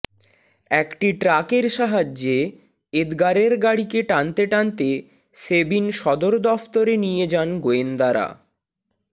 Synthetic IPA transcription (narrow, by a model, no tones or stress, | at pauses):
ɛkʈiʈɾakeɾʃaɦad͡ʑːe | ed̪ɡaɾeɾɡaɽikeʈant̪eʈant̪e | sebinʃɔd̪oɾd̪ɔft̪oɾenijed͡ʑanɡoend̪aɾa̰